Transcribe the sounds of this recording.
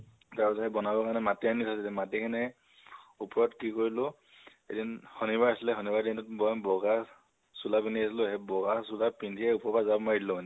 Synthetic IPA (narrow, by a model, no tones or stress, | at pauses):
taɹpasaɛbɔnabɔkaɹnɛmatianitʰasilɛmatikʰanɛ | upɔɹɔtkikoɹilʊ | edinhɔnibaasilɛxɔnibaɹdintutbɔbɔɡa | sulapindʱiasilʊɦɛbɔɡasulapindʱiɛupɔbazabmɔjdilɔmanɛ